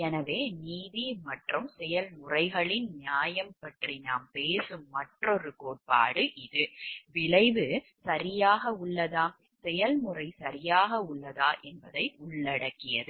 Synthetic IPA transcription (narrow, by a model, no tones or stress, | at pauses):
ɛnɐʋeːniːðimɐʈrɯmsɛjɐlmʊrɐɪɣɐɭɪnnjaːjɐmpɐʈrinaːmpeːsɯmːɐʈrɔɾɯkoːʈ̚pa̰ːɽɯʔɪðɯʋɪɭɐɪʋɯ | sɐɾɪjaːɣɐʊɭːɐðaː | sɛjɐlmʊrɐɪsɐɾɪjaːɣɐʊɭːɐðaːʔɛnbɐðɐɪʊɭːɐɽɐkːɪjɐðɯ